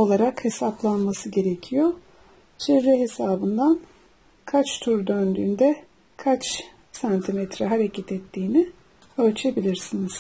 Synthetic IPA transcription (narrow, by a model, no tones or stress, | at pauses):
o̞lˠaɾakhe̞saplˠanmasɯɟe̞ɾe̞cʰijo | t͡ʃʰevːɛɦesaːbɯnd̪an | kʰat͡ʃt̪ʰuɾd̪ønd̪yːnd̪ɛ | kʰat͡ʃ | sant̪ʰimɛt̪ɾɛɦaɾecʰɛt̪ɛt̪ʰːiːni | ølʲt͡ʃʰe̞bilʲiɾsiniz̥